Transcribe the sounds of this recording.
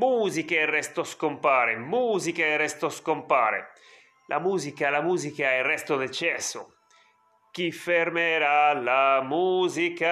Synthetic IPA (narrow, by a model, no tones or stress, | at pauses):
muːzikerɛst̪oskompaːɾemuːzikerɛst̪oskompa̰ːɾḛ | lʔa̰muːzikalamuːzikaerɛst̪od̪et͡ʃɛsːo̰ | k̟ifeɾmeɾalamuːzika